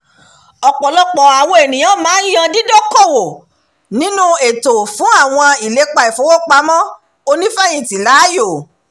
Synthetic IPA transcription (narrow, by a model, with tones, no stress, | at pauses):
ɔ˧k͡pɔ˨lɔ˦k͡pɔ˨a˨wo˧˦e˨nĩ˨j̃ã˦˨mãː˨˦jã˧di˦do˦ko˦˨wo˨ | nĩ˦nũ˦e˨to˨fũ˨˦a˦˨w̃ɔ̃˧i˨le˨˦k͡pa˧i˨fo˨˦wo˦k͡pa˧˦mɔ̃˦ | o˧nĩ˦fɛ˦jĩ˧˨ti˨la˨˦jo˦˨